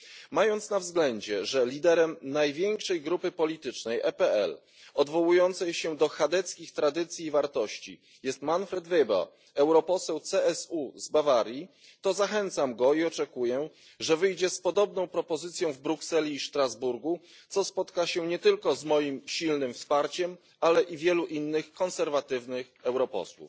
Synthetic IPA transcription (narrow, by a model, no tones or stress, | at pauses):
majɔnt̪snavzɡlɛɲd͡ʑɛʐɛlʲid̪ɛɾɛmnajvʲjeŋkʂɛjɡɾupɘpɔlʲit̪ɘt͡ʂnɛjʔɛpɛɛ̰l | ɔd̪vɔwujɔnt̪sɛjɕɛd̪ɔxad̪ɛt̪skʲixt̪ɾad̪ɘt̪sʲjiːvaɾt̪ɔɕt͡ɕḭ | jɛst̪manfɾɛd̪vɛba̰ | ɛwɾɔpɔsɛwt̪sɛɛsuzbavaɾʲji | t̪ɔzaxɛnt̪samɡɔiɔt͡ʂɛkujɛ | ʐɛvɘjd͡ʑɛspɔd̪ɔbnɔ̃w̃pɾɔpɔzɘt̪sʲjɔ̃w̃vbɾuksɛlʲiːʂt̪ɾazbuɾɡu | t̪ɔspɔt̪kaɕɛɲɛt̪ɘlkɔzmɔjimɕilnɘmfspaɾt͡ɕɛm | alɛʔivʲjɛluʔinːɘxkɔnsɛɾvat̪ɘvnɘxɛwɾɔpɔ̰swṵf